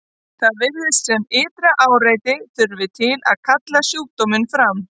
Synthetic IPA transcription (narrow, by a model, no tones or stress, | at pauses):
θaðvɪɾðɪst̪sɛmɪːt̪ɾaʔaːwɾaːjt̪ɪθʏɾvɪt̪ʰɪla̰ðkʰat̪lasjuːk̚t̪omɪnfɾam